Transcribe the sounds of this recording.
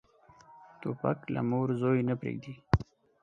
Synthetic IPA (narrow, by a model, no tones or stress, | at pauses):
t̪opakla̰moɾzojnapɾḛɡ̚d̪i